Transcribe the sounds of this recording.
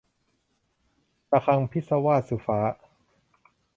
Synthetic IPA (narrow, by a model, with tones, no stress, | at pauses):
t̪a˧kʰa˧ŋpʰi˦˥t̪̚sa˧waː˥˩t̪̚su˨˩faː˦˥